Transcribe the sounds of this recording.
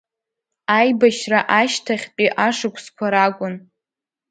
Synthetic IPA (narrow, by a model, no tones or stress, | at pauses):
ajbaʃraʔaʃtʰaχʲt͡pʼiʔaʂɨkʷʰskʷʰaɾakʷʼʊn